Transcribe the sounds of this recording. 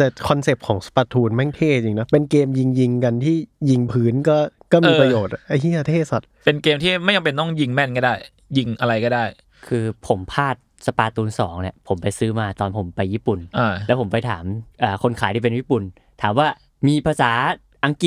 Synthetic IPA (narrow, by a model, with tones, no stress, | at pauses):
t̪ɛ˨˩kʰɔ˧nse˨˩p̚kʰɔː˩˦ŋsḁ˧paː˧t̪ʰuː˧nmɛ˥˩ŋt̪ʰeː˥˩t͡ɕi˧ŋna˦˥pe˧nkeː˧mji˧ŋji˧ŋka˧nt̪ʰiː˥˩ji˧ŋpʰɯː˦˥nkɔː˥˩kɔː˥˩mmiː˧ɾa˧joː˨˩t̪̚ʔa˧˩i˥˨a˧t̪ʰeː˥˩sa˨˩t̪̚pe˧nkeː˧mt̪ʰiː˥˩ma˥˩jka˧mpe˧nt̪ɔ˥˩ŋji˧ŋmɛ˥˩nkɔ˥˩daː˥˩j | ji˧ŋʔa˧ɾa˧jkɔː˥˩daː˥˩j | kʰɯː˧pʰo˩˦mpʰaː˥˩t̪̚sa˧paː˧t̪uː˧nsɔː˩˦ŋni˧˩pʰo˩˦mpa˧jsɯː˦˥maː˧t̪ɔː˧npʰo˩˦mpa˧jːiː˥˩pu˨˩nʔa˧˩lɛ˦˥pʰo˩˦mpa˧jt̪ʰaː˩˦mʔaː˨˩kʰo˧nkʰaː˨˩˦j̪ʰiː˥˩pe˧nwiː˦˥˩pu˨˩n | t̪ʰaː˩˦mwaː˥˩ | miː˧pʰaː˧saː˩˦ | ʔa˧ŋki˨˩